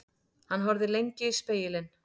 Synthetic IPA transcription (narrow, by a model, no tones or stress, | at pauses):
hanːɦɔɾðɪlejɲcɪispeːjɪlɪn